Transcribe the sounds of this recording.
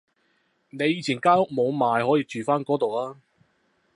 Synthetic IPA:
ne˨˧jiː˨˧t͡sʰiː˨˩nkaː˥jʊ˥k̚mo˨˧wmaː˨jhɔː˨˥jiː˧t͡ʃyː˨˩faː˥nkɔː˨˥t̪o˨wlaː˥

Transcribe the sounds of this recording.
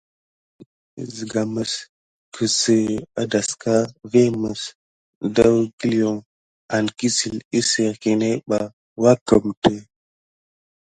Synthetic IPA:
zə˨ɡa˨mə˨s | kʰə˨sə˨a˨da˨ska˦ve˦mə˨s | da˦wɡi˦li˨o˨ŋ | a˨nki˦si˨li˦sə˨ɾki˨ne˦ɓa˨ | wa˦kə˨mtə˦

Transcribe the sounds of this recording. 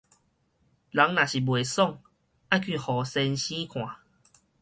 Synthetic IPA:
la˨˦ŋnã˨˩ɕi˨˩bwe˨sɔ˥˧˨ŋ | a˦˨kʰi˥˧hɔ˨˩sɛ˧nɕĩ˦kʰw̃ã˨

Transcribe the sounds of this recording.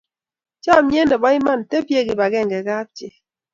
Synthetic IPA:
t͡ʃa˦˨mje˦ne˨bɔ˦i˦ma˦n˨te˦bje˦˨ɡi˨ba˨ɡe˦˨ŋ˨ɡe˨ɡa˦p̚tje˨

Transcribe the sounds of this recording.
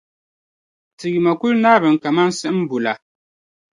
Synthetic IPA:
tɨ˨ji˨ma˨ku˦lnaː˦bɨ˨ŋ˨ka˨ma˦n˦sɨ˦ʔm̩˦bu˨la˨

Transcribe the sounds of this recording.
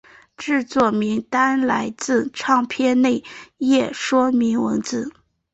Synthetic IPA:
ʈ͡ʂɻ̩˥˧t͡swɔ˥˩mi˧˥ŋt̪a˥nla˧˥ɪt͡sɹ̩˥˧ʈ͡ʂʰɑ˥˧ŋpʰjɛ˥˧nne˥˧ɪjɛ˥˩ʂwɔ˥mi˧˥ŋwə˧˥nt͡sɹ̩˥˩˦

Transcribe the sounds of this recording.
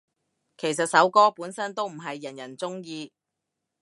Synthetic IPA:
kʰe˨˩jsɐ˨t̚sɐ˨˥wkɔː˥puː˨˥nsɐ˥nt̪o˥wm̩˨˩ɦɐ˨jːjɐ˨˩njɐ˨˩nt͡sʊ˥ŋjiː˧

